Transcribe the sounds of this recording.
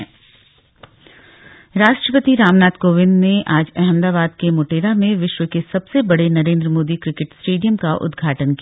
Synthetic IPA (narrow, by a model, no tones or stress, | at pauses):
ɾaːʃʈɾəpət̪iɾaːmnaːt̪koːʋɪ̃nd̪neʔaːd͡ʒɛɦɛmd̪aːbaːd̪kemoːʈeːɾamẽʋɪʃʋəkesɐbsebɐɽenɐɾẽːnd̪ɾəmoːd̪ikɾɪkɪʈsʈeːɖijəmkaʔʊ̰d̪ɡʱaːʈənki